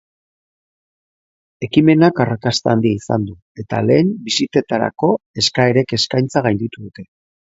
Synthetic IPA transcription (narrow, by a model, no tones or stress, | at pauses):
e̞kime̞nakarakast̪eand̪iaisand̪u | e̞t̪a̰le̞ːmbisit̪e̞t̪aɾa̰ko̞e̞skaeɾe̞ke̞skajnt͡saɣ̞ajnd̪it̪uðut̪e̞